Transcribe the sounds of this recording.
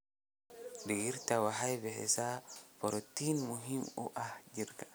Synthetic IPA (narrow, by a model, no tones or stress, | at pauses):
dijiɾtawaɦajbɛɦɛ̰sapɔɾɔtinmuɦimṵʔahd͡ʒiɾkḁ